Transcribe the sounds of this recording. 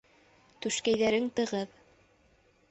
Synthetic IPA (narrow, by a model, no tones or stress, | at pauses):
t̪ʉʃkæjðæɾɘŋt̪ɤ̆ʁɤð